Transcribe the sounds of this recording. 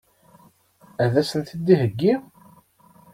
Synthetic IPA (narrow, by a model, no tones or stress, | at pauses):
æðæsənθid̪ːiɦəɡːi